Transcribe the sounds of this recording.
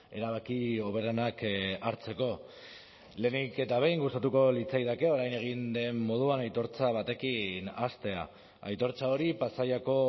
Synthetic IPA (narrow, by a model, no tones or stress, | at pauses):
e̞ɾaβakio̞β̞e̞ɾanakaɾt͡se̞ko̞ | le̞ːnike̞t̪aβe̞jŋɡust̪at̪uko̞lit͡sajðake̞o̞ɾajne̞ɣ̞ind̪e̞mːo̞ð̞uanajt̪o̞ɾt͡saβ̞at̪e̞kinast̪e̞a̰ | a̰jt̪o̞ɾt͡sao̞ɾipasajako̞